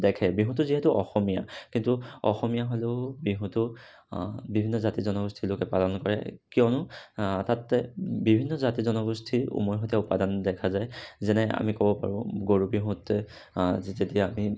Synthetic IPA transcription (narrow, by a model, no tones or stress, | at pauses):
dɛkʰɛbiɦũtʊziɦɛtuʔɔxɔmija̰kintuɔ̰xɔmijaɦoleʊbiɦũtʊ | bibʱinːɔzatizɔnɔɡustʰilokɛpalɔnkɔɹɛ̰kijɔnʊtatːɛbibʱinːɔzatizɔnɔɡustʰiṵmɔjɦotaʊpadandɛkʰazajzɛnɛa̰mikɔbɔpa̰ɹʊ̃ɡoɹubiɦũtɛ | zitetiaami